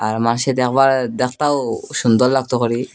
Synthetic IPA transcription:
aɾmanʃed̪ɛkʰbaɾd̪ɛk̚ʰt̪awʃund̪ɔlːaɡ̚t̪okɔɾi

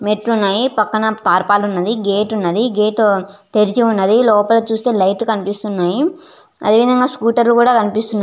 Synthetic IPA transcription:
meʈɾunːaːjipɐkːɐnɐt̪aːɾpaːlunːɐd̪iɡeːʈunːɐd̪iɡeːʈoː | t̪e̞ɾit͡ʃiunːɐd̪ilɔːpɐloːt͡ʃuːst̪e̞ːlɐjʈkɐnipist̪unːaːji | ɐ̰d̪e̞ːʋid̪ʱɐŋɡaːskuːʈɐɾlukuːɽaːkɐnipist̪unːaː

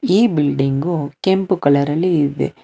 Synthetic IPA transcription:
iːbɪlɖɪŋɡokɛmpɯkɐlɐɾɐlɪðɯ̰

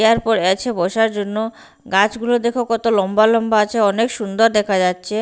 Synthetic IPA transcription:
aɾpɔɾet͡ɕʰebɔʃaɾd͡ʑonːo | ɡat͡ɕɡulod̪ekʰokɔt̪olɔmbalɔmbaat͡ɕʰeɔnekʃund̪oɾd̪ɛkʰad͡ʑatːɕʰe

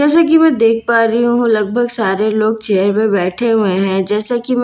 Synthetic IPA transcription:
d͡ʒɛːsak̬imɛ̃ːd̪eːk̚ʰpaːɾiɦũɦũlɐɡ̚bʱəɡsaːɾeloːɡ̚t͡ʃɛːəɾmẽbɛːʈʰeɦueɦɛ̃d͡ʒɛːsakim

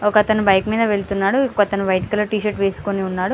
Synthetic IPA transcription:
okɐɐt̪ɐnubɐjkmiːd̪ɐʋe̞ɭt̪unːaːɽukːɐt̪ɐnubɐjʈi̥kiloːʈiːʃɐʈʋe̞ːsu̥koniunːaːɽu

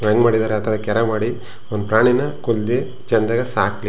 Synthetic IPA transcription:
ʋɐŋɡmaːɽid̪aːɾeɐt̪ʰɐʋɐkɛɾɐmaːɽi | ond̪upɾaːɳinɐkold̪e | t͡ʃɐnd̪ɐɡɐsaːkli

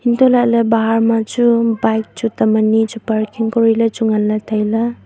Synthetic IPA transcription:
intɔlajʔlabaɦaɾmad͡ʒubajk̚t͡ʃutamanid͡ʒupaɾkʰiŋkɔɾilat͡ʃuŋalːatʰajla

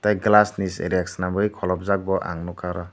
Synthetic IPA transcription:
tajɡlasnisḛɾijak̚snambɯijkʰɔlɔp̚zak̚bɔʔa̰ŋnɔkʰaɾɔ

